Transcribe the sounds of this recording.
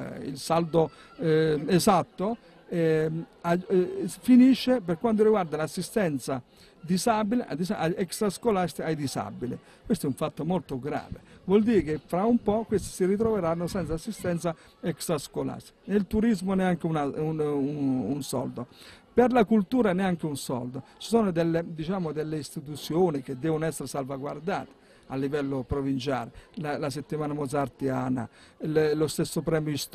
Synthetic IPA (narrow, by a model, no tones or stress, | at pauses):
ḭlsald̪o | ɛzat̪ːo | ɛafiniʃːepeɾkwand̪̬oɾiɡward̪alasːist̪ɛnt̪sa̰ | d̪izabileʔa̰d̪isaaɛksɾaskolast̪ajd̪iza̰bilḛ | kwest̪oɛuɱfat̪ːomolt̪oɡɾa̰ːvḛvwɔld̪iːɾkefɾaumpɔkːwest̪i̥siɾit̪̬ɾɔveɾanːosɛnt̪sasːist̪ɛnt̪sa | ɛksaskola̰snelt̪uɾizmonɛaŋk̟eunaunuunsɔ̰ld̪opeɾlakult̪uːɾanɛaŋk̟eunsɔ̰ld̪ot͡ʃi̥sɔːnod̪ɛlːed̪it͡ʃaːmod̪elːeist̪it̪̬ut̪sːjoːnik̟ed̪ːɛːvʊnoɛsːeɾesalvaɡward̪a̰ːt̪e̥ | alːivɛlːopɾovint͡ʃaːɾelalas̬et̪ːimaːnamɔzaɾt̪iaːna̰ | llost̪esːopɾɛːmjoist̪